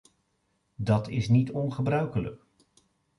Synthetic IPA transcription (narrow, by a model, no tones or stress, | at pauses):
dɑtɪsnitɔnχəbrœɥkələ̰k